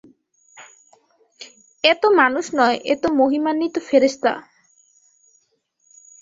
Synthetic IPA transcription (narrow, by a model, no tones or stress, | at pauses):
et̪omanuʃnɔeʔet̪omoɦimanːit̪ofeɾest̪a̰